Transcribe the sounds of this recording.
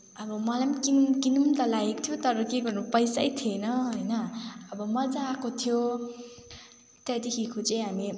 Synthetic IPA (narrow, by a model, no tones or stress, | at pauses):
ʌbʌmʌlamkinumkinumt̪ʌlaɡekot̪ʰjot̪ʌɾʌkeɡʌrnupʌjsajt̪ʰienʌɦʌjnʌʌbʌmʌd͡zakot̪ʰijo | t̪ʌd̪ekʰikʰot͡saj̃ɦami